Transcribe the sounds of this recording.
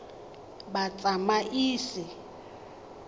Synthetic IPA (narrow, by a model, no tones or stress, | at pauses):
bat͡sʼamaʔiːsɪ